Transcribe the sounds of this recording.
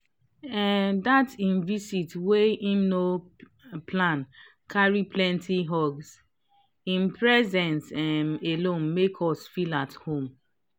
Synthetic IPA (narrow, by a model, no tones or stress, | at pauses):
ɛdatĩnvisitweĩmno | pʰlãn | kʰaɹiplɛ̃ntʰiɦɔɡs | ĩnpɹɛzɛ̃nsɛmelõnmekʰɔsfilathõm